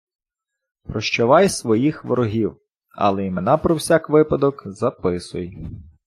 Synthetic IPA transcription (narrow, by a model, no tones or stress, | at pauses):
pɾɔʃt͡ʃɔʋɑjsʋɔjixʋɔ̰ɾɔɦʲiw | ɐ̰lˠɛimenɑpɾɔwsʲɑkʋɪpɐd̪ɔkzɐpɪsʊ̰j